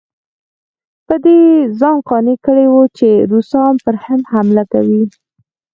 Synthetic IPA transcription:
pəd̪ezɑnqɑnekəɽewut͡ʃeɾusɑnpəɾhɪnd̪hamlakawi

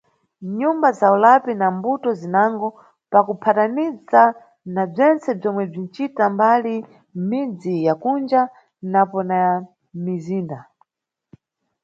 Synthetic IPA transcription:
ɲumbazaulapinambutɔzinaŋɡɔ | pakupʰatanid͡za | nab͡ʐɛnt͡sɛb͡ʐɔmwɛb͡ʐin̩t͡ʃitambali | mid͡zijakund͡ʒa | napɔna | miziːnda

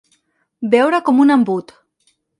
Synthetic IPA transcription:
bewɾakomunambut̪

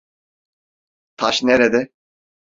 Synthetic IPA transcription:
t̪ʰaʃneɾed̪ɛ

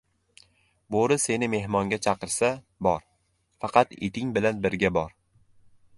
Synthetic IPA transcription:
boɾɪse̞nɪme̞hmɒŋɡʲat͡ʃʰɑqɨɾsa | bɒɾ | fɑqʰɑt̪ḛt̪ʰɪŋbɪlanbɪɾɡʲabɒɾ

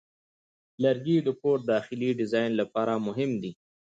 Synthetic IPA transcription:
laɾɡid̪əpoɾ̚d̪ɑːxɪliɖɪzɑjnlapɑɾamʊɦɪmd̪i

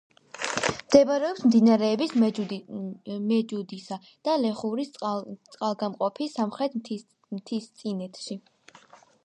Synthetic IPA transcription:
md̪̥ɛbaɾɛɔpsmd̪inaɾɛːbis | mɛd͡ʒud̪isa | d̪̥alɛχuɾit̪sʼqʼalˠɡamqʼɔpʰisːamχɾɛt̪ʰ | mt̪ʰist̪sʼinɛt̪ʰʃi

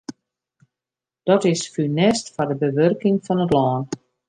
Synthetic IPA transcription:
d̥ɔtɪsfynɛstfɔrdəbəʋørkɪŋfɔnətlɔːn

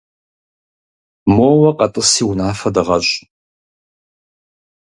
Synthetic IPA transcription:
moːwɐqɐtʼɨsiːwʊnaːfɐdɐʁɐɕʼ

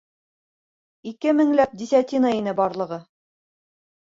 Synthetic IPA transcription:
ikɘmɘ̆ŋlæp̚d̪isʲæt̪ʲinɑinɘbɒɾlˠɤ̆ʁɤ

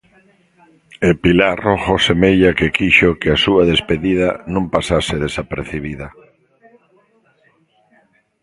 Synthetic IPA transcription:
epilaroχosemejʎakekiʃokeasuaðespeðiðanõmpasaseðesapeɾθiβiðɐ

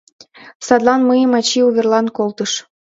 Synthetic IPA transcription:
sɑd̪lɑnməjəmɑt͡ɕiuβʲerlɑnkolˠt̪əʃ

